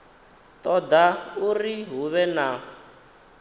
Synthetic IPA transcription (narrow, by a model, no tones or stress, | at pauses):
t̪ʼɔd̪auriɦuβɛna